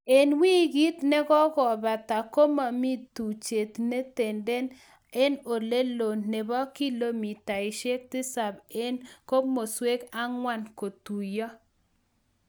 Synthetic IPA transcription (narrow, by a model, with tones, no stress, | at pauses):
e˨nwi˦ɡi˦t̪nɛ˦ɡɔ˦ɡɔ˨ba˨t̪a˨ko˦ma˨mi˦t̪u˨t͡ʃe˨t̪ne˦t̪e˨nde˦n | e˦no˨le˦lo˨nːe˨bɔ˦ki˦lo˦mi˨ta˨ɪ˨ʃe˦k̚t̪ɪ˦sa˨be˦nko˦mo˨swe˦ka˦ŋwa˦nko˨t̪u˨jɔ˦